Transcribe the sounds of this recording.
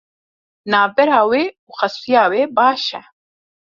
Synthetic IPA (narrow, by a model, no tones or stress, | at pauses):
naːbɛɾaːweːuːxɐsijaːweːbaːʃɛ